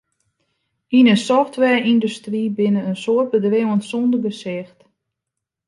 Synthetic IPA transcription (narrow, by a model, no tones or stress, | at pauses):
inəsɔxtʋɛːindustribɪnəənsoət̚bədrɪwənsɔndərɡəsɪxt